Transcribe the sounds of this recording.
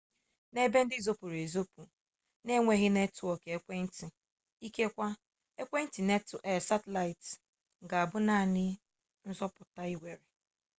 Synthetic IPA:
ne˦be˦n̩˦dɪ˦zo˦pu˨ɾe˨zo˦pu˨ | ne˦ŋʷe˦ɣɪ˦ne˦tʊ˨ɔ˨ke˨e˦kʷe˦n̩˦ti˨ | i˦ke˦kʷa˦ | e˦kʷe˦n̩˦ti˨ne˦te˨sa˦te˨la˨ɪ˨t | ŋ̩˨ɡa˨a˨bʊ˦na˦˨nɪ˦ | n̩˦zɔ˦pʊ˨ta˦i˦we˨ɾe˨

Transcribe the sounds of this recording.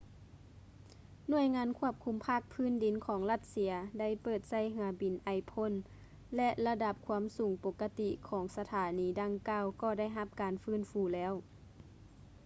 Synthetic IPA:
nu˧˩əjŋaː˧˥nkʰu˧˥˩əp̚kʰu˧˦mpʰaː˥˩k̚pʰɯː˥˨ndi˨˦nkʰɔː˨˦ŋla˧˥t̪̚si˧ɐda˥˩˨jpɤː˨˩t̪̚sa˧˥˩jɦɯ˨˩˦ɐbi˨nʔa˨˩jpʰo˧˥˨n | lɛ˧ʔla˧da˧p̚kʰuː˧˥əmsuː˨˦ŋpo˧˦kːa˧t̪i˧kʰɔː˩˦ŋsa˧t̪ʰaː˨˦niː˨˦da˧˥ŋkaː˧˥˨wkɔː˧˩da˥˩˨jɦa˧˥p̚kaː˨nfɯː˧˥˨nfuː˧˦lɛː˧˥˨w

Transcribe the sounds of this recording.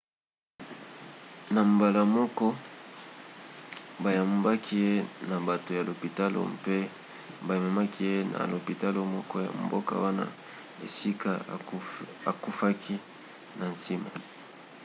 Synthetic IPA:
na˨m˨ba˨la˨mɔ˦kɔ˦ | ba˨ja˨m˨ba˦kʰi˦e˦na˨ba˨to˨ja˨lo˨pi˨ta˦lo̰˨mpe˦ | ba˨je˨ma˨ma˦ki˦je˦na̰˨lo˨pi˨ta˦lo˨mɔ˦kɔ˦ja̰˨m˨bo̰˦ka̰˦wa˦na̰˦ | e˨si˦ka˦ | a˨ku˦fa˦kʰi˦ | na˨nsi˦ma̰˨

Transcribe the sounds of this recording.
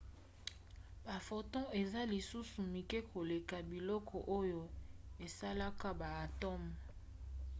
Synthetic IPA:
ba˨fo˨tɔ̃˦e˨za˦li˨su˦su˨mi˨kɛ˦kʰo˨le˨ka˨bi˨lɔ˦kʰɔ˨ʔo˦jo˨e˨sa˦la˦ka˦ba˨a˨tɔ˦m˨

